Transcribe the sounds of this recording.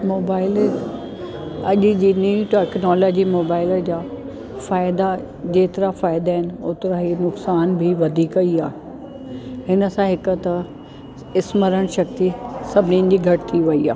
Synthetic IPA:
moːbaːɪl | ɐʄ̆d͡ʑiːnuʈɛːknɔːlɔːd͡ʑimoːbaːɪləd͡ʑaː | faːɪd̪a | d͡ʑeːt̪ɪɾafaːɪd̪aːɪnɪ̆ʊːt̪ɾaɦinʊksaːnbʱɪʋɐd̪ʱiːkɐiaːɦ | hɪnə̆sãɦɪkət̪ɐ | ɪsməɾəɽ̃ʃɐk̚t̪isɐbʱɪninɪ̆d͡ʑiːɡʱɐʈɪ̥t̪ʰiʋɐia̰ː

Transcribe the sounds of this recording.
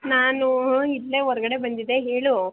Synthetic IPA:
naːnuidːeːɔɾɐɡɐɽe̞bɐnd̪id̪e̞ɦe̞ːɭu

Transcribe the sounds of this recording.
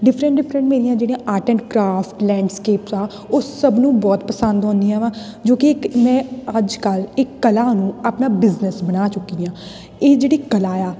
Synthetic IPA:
ɖɪpʰɾə̃ɳʈɖɪpʰɾə̃ɳʈmeːɾijãːd͡ʒeːɽĩãːʔaːʈə̃ɳʈkɾaːpʈlɛ̃ːɳɖskeːpsaː | oːsəbnũːbɔːt̪pəsə̃nd̪ɔ̃ːnd̪iːɛːʋãː | d͡ʒoːkɪmɛ̃ːəd͡ʒkəlɪkːəlaːnũːapnaːbɪznəsbənaːt͡ʃʊkːiːãː | eːd͡ʒeːɽiːkəlaːjaː

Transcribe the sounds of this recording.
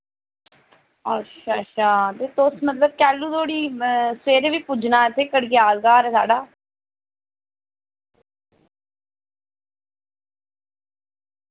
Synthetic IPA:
ətːʃʰaːʃʰaːt̪eːt̪osmət̪ləb̚kɛːlũːt̪ʰoːɽiːseːɾeʋiːpʊd͡ʒnaːɪt̪ʰːeːkəɽɡjaːlɡaːɾɛːsa̰ːɖaː

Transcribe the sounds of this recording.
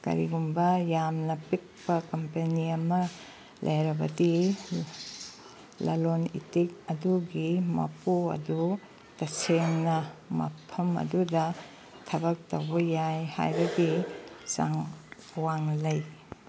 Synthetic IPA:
kɐ̰ɾḭɡumbɐjamnɐpik̚pɐkɐmpeniɐmɐ | lʔɐ̰jɾɐbɐdi | lɐlonḭtik̚ɐduɡimɐ̰puɐ̰du | tɐseŋnɐmɐ̰pʰɐmɐ̰dudɐ | tʰɐbɐk̚towbɐjajha̰jbɐɡisa̰ŋ | waŋlɐj

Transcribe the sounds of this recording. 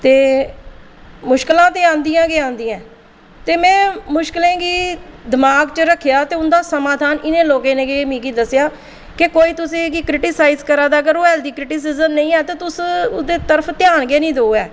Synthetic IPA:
t̪eː | mʊʃkəlãːt̪eːãːnd̪iːãːɡeːãːnd̪iːãː | t̪eːmɛ̃ːmʊʃkəlẽːɡiːd̪ɪmaːɡt͡ʃəɾəkʰːɪjaːt̪eːʊnd̪aːsəmaːd̪ʱaːnɪnẽːloːkẽːnẽːɡemĩːɡiːd̪əsjaː | kɪkoːiːt̪ʊsĩːɡiːkɾɪʈiːsaːizkəɾaːd̪aːəɡəɾoːɛːld̪iːkɾɪʈiːs̬ɪzəmnəĩːɛːt̪ẽːt̪ʊsʊd̪eːt̪əɾəpʰt̪ɪjaːnɡeːnĩːd̪oːoːɛː

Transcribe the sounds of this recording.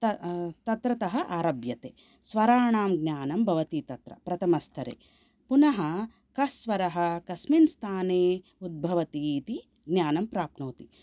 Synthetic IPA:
t̪ɐt̪ɐt̪ɾɐt̪ɐɦɐ̆ʔaːɾɐbjɐt̪eː | sʋɐɾaːɳaːmɡnʲaːnɐmbʱɐʋɐt̪it̪ɐt̪ɾɐ̰pɾɐt̪ʰɐmɐst̪ʰɐɾḛː | punɐɦɐ | kɐsʋɐɾɐɦɐ̆kɐsminst̪ʰaːneː | ud̪̚bʱɐʋɐt̪it̪i | ɡnjaːnɐmpɾaːpnoːt̪i

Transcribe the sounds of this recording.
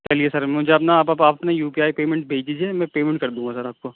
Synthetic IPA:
t͡ʃɐliesɐɾmʊd͡ʒʱeɐpnapɐpaɐpnajuːpiaːipeːmẽɳʈbʱeːd͡ʒd͡ʒid͡ʒiemɛ̃peːmẽɳʈ̚kɐɾd̪ũːŋɡasɐɾaːp̚ko

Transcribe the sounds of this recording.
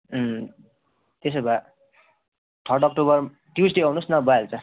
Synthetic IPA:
t̪esʌba | t̪ʰʌrʈʌk̚ʈobʌr | ʈjud͡zɖeaunusnʌbajelt͡sʌ

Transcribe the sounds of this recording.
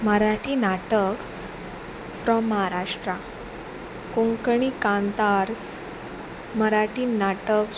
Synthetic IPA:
məɾaʈiːnaʈəks | fɾɔmːəɦaɾaʂʈɾa | kõŋkɳikãnt̪aɾs | məɾaʈiːnaʈəks

